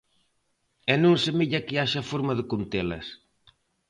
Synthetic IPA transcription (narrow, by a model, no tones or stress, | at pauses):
ɛnũŋsemiʎɐkɪaʃɐfoɾmɐðɪkont̪elɐ̰s